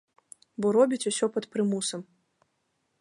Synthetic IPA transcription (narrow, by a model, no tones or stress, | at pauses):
bɔɾɔbʲit͡sʲusʲɔpɐt̪pɾɨmusɐm